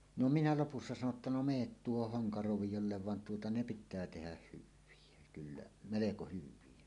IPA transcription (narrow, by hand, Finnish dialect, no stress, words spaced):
no minæ lopusːɑ sɑno tːɑ no meːt tuohoh hoŋkɑroʋijolːeʋ ʋɑn tuotɑ ne pitˑæː tehæh hyʋˑie kylːæ meleko hyʋˑie